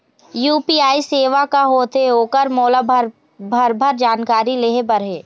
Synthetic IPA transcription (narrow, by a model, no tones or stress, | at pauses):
juːpiːaːiseːʋakaɦoːt̪eɦoːkəɾmoːlab | bʱɐɾbʱəɾd͡ʒaːnkaːɾileːɦebəɾɦeː